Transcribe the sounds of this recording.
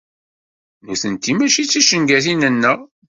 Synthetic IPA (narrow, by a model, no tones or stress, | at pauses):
nuθənt̪imæʃit͡sːiʃəŋɡæθinənːə